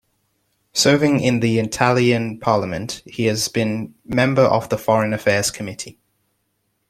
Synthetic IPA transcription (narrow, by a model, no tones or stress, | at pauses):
sɜːvɪ̃ŋɪ̃nðiɪtʰaliə̃npʰɑːləmə̃nʔhiəzbĩnmɛ̃mbəɹʔə̰vðəfɒɹə̃nəfɛːz̥kʰəmɪtʰi